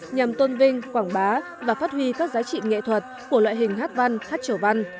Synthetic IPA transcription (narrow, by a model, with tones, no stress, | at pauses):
ɲa˨˩mt̪o˧nvï˧ŋkwaː˧˩ŋɓaː˨˦ | vaː˨˩faː˦˥t̚hwi˧kaː˦˥k̚zaː˨˦t͡ɕḭ˧˨ŋḛ˧˨t̪ʰwə˨˩t̚ku˧˩əlwa̰ː˧˨jɦï˨˩ŋ̟ɦaː˦˥t̚va˧nhaː˦˥t̚t͡ɕə˧˩va˧n